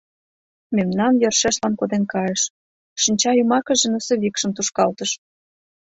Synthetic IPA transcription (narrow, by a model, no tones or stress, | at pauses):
memnɑnjɤ̆rʃeʃlɑnkod̪enkɑjəʃ | ʃinʲt͡ɕɑjumɑkə̆ʒĕnəsɤ̆βikʃə̆mt̪uʃkɑlt̪əʃ